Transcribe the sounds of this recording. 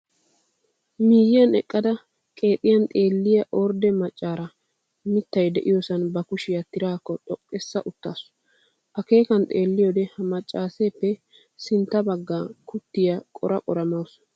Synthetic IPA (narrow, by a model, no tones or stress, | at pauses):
miːjɪjɐnɛkʼːɐd̪ɐ | kʼe̞ːt̪ʼɪjɐnt̪ʼe̞ːlːɪjɐʔɔɾd̪ɛmɐt͡ʃʼːaːɾɐ | mɪt̪ːɐjd̪ɛʔɪjosɐnbɐkʊʃɪjɐt̪ɪɾaːkːɔt̪ʼɔkʼːɛsːɐʔʊt̪ːaːsʊ̥ | ʔɐke̞ːkɐnt̪ʼeːlːɪjod̪ɛhɐmɐt͡ʃʼːaːseːpːɛ | sɪnt̪ːɐbɐɡːaːkʊt̪ːɪjɐkʼɔɾʔɐkʼɔɾɐmɐws